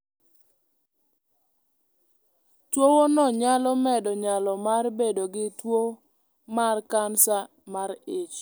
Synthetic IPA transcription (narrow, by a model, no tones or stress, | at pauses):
twowonɔɲalɔmɛdɔɲalɔmarbedoɡɪtwo | markansa | maɾet͡ʃ